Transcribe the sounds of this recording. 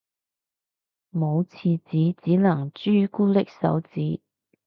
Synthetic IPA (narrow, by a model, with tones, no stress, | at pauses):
mo˨˧wt͡sʰiː˧t͡siː˨˥t͡siː˨˥nɐ˨˩ŋt͡ʃyː˥kuː˥lɪ˥k̚sɐ̰˨˥wt͡siː˨˥